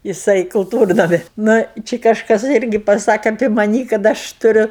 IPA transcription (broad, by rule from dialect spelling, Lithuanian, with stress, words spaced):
jɪˈsɐɪ kʊlˠˈtuːrnɐmʲɪ ˈnʊ ˈt͡ʃʲɪ kɐʃˈkɐs ˈɪrʲɡʲɪ pɐˈsɑːkʲɛ ɐpʲeː mɐˈnʲiː kɐt ˈɐʃ tʊˈrʲʊ